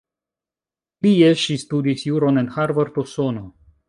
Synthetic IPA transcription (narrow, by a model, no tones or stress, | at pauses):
lieʃistudisjuɾonenhaɾvaɾt̪osono